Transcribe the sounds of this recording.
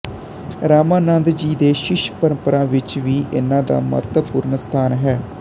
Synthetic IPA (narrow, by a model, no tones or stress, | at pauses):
ɾaːmãːnãːnd̪d͡ʒiːd̪eːʃɪʃpəɾəmpəɾãːʋɪt͡ʃʋiːʔɪnãːd̪a̰ːmə̰t̪pʊɾnəst̪ʰaːnɦɛː